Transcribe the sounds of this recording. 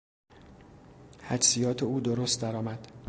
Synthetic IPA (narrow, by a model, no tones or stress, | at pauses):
hæd͡ʒsijɒːt̪ʰeuːd̪oɾoːst̪d̪æɾɒːmæd̪̥